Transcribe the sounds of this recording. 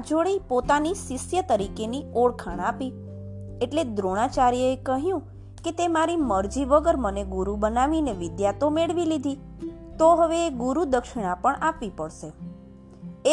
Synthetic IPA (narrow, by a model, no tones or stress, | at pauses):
d͡ʒoɭeipot̪anisɪsjət̪əɾikenioɭkʰaɳ̃api | eʈled̪ɾoɽ̃at͡ʃaɾijəekəɦjũ | ket̪emaɾiməɾd͡ʒiʋəɡəɾməneɡuɾubənaʋineʋɪd̪jat̪omeɭʋilid̪ʱi | t̪oɦəʋeːɡuɾud̪əkʃɪɽ̃ãpəɳapʋipəɽʃe | e